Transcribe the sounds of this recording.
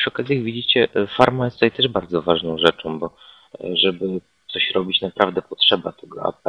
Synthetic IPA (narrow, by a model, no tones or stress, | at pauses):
pʂɨɔkazʲiaɡvʲid͡ʑit͡ɕɛfaɾmajɛst̪ut̪ajt̪ɛʐbaɾd̪zɔvaʐnɔ̃w̃ʐɛt͡ʂɔ̃w̃bɔ | ʐɛbɘ | t̪sɔɕɾɔbʲit͡ɕnapɾavd̪ɛpɔtʂɛbat̪ʰɛɡɔ̰a̰p